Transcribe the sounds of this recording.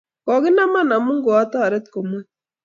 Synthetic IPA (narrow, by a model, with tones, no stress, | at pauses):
kɔ˨ɡi˦na˦ma˦na˨mu˦ŋɡo˨a˦t̪a˦a˨ɾe˦t̪ko˨mu˦